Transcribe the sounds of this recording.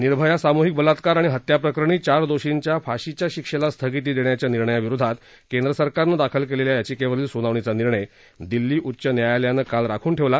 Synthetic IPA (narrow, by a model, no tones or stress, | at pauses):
niɾbʱəjasamuɦik̚bəlat̪kaɾaɽ̃iɦət̪japɾəkɾəɳ̃iːt͡ɕaɾd̪oɕiɲt͡ɕjafaɕit͡ɕjaɕikʂelast̪ʰəɡit̪̬iːd̪eɳjat͡ɕjaniɾɳəjaʋiɾud̪ʱat̪ | kend̪ɾəsəɾkaɾnəd̪akʰəlkeleljajat͡ɕikeʋəɾiːlsunaʋɳet͡saniɾɳəj | d̪ilːiːʔutːɕənjajaljanəkalɾakʰuːnʈʰeʋla